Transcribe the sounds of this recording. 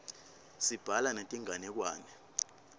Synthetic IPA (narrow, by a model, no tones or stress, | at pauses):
sib̥ʱalanetʼiŋanɛk̬waːnɛ